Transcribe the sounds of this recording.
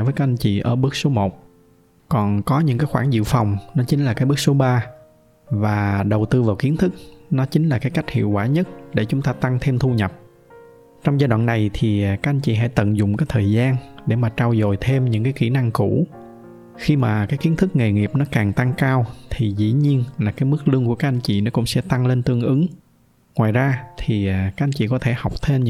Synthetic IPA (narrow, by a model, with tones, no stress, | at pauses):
vəː˨˦kaː˦˥k̚ʔa˧jn̟t͡ɕḭ˧˨ʔəː˧˩ɓɨ˦˥ək̚so˨˦mo˨˩t̚ | kɔ˨˩nkɔ˨˦ɲɨ̰˧˥ŋkaː˨˦jxwaː˧˩nzḭ˧˨wfa˨˩wŋ͡mnɔ˨˦t͡ɕï˨˦ŋ̟laː˨˩kaː˨˦jɓɨ˦˥k̚so˨˦ɓaː˧ | vaː˨˩ɗə˨˩wt̪ɨ˧vaː˨˩wki˨˦ənt̪ʰɨ˦˥k̚nɔ˨˦t͡ɕï˨˦ŋ̟laː˨˩kaː˨˦jka˦˥jk̟̚hḭ˧˨əwkwaː˧˩ɲə˦˥t̚ɗe˧˩t͡ɕʊ˨˦ŋ͡mt̪aː˧t̪a˧ŋt̪ʰe˧mt̪ʰu˧ɲə˨˩p̚ | t͡ɕɔ˧wŋ͡mzaː˧ɗwa̰ː˧˨nːa˨˩jt̪ʰi˨˩kaː˦˥k̚ʔa˧jn̟t͡ɕḭ˧˨˩ɦa̰˧˥˦jt̪ə̰˧˨nzʊ̰˧˨ŋ͡mkaː˨˦˥jt̪ʰəː˨˩jzaː˧nɗe˧˩maː˨˩t͡ɕaː˧wzo˨˩jt̪ʰe˧mɲɨ̰˧˥ŋkaː˨˦jki˧˩na˧ŋku˧˩ | xi˧maː˨˩kaː˨˦jki˨˦ənt̪ʰɨ˦˥k̚ŋe˨˩ŋi˨˩əp̚nɔ˨˦kaː˨˩ŋt̪a˧ŋkaː˧wt̪ʰi˨˩zḭ˧˥ɲi˧ənlaː˨˩kaː˨˦jmɨ˦˥k̚lɨ˧əŋku˧˩əka˦˥k̚ʔa˧jn̟t͡ɕḭ˧˨nɔ˨˦kʊ̰˧˥ŋ͡msɛ̰˧˥t̪a˧ŋle˧nt̪ɨ˧əŋʔɨ˨˦ŋ | ŋwaː˨˩jzaː˧t̪ʰi˨˩˨kaː˦˥k̚a˧jŋ̟t͡ɕḭ˧˨˩kɔ˨˦t̪ʰe˧˩ha˨˩wk͡p̚t̪ʰe˧mɲ˧